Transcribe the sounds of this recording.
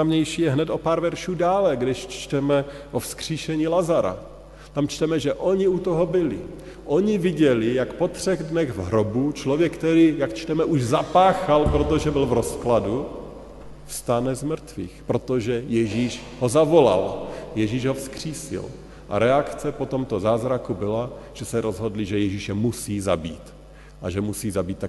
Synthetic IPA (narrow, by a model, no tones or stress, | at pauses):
amɲɛjʃijɛɦnɛt̪ʔo̞paːɾvɛɾʃuːdaːlɛɡdɪʃt͡ʃt̪ɛmɛʔofskr̝̥iːʃɛɲiːlazaɾa̰ | t̪amt͡ʃt̪ɛmɛʒɛʔo̞ɲɪut̪oɦobɪlɪ̰ | ʔoɲɪvɪɟɛlɪjakpo̞t̪r̝̥ɛɣdnɛɣvɦɾobut͡ʃlovjɛkkt̪ɛɾiːjakt͡ʃt̪ɛmɛʔuʒzapaːxalpɾo̞t̪oʒɛbɪlvɾoskladu | fst̪anɛzmr̩t̪vḭːxpɾo̞t̪oʒɛjɛʒiːʃ | ɦozavo̞la̰ljɛʒiːʒɦofskr̝̥iːsɪ̰l | ʔa̰ɾɛakt͡sɛpo̞t̪omt̪ozaːzɾakubɪlaʒ̥ɛsɛɾʔozɦodliʒɛjɛʒiʃɛmusiːza̰bḭːt̪ | ʔaʒɛmusiːzabiːt̪ːa